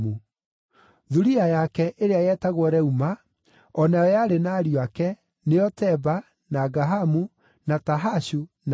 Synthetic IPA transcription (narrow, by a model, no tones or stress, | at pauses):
u | ðuɾiajakɛʔeɾeajɛtaɣwɔɾɛuma | ɔnaɔjaɾenaɾiakɛ | neɔtɛba | naɡaɦamu | nataɦaɕun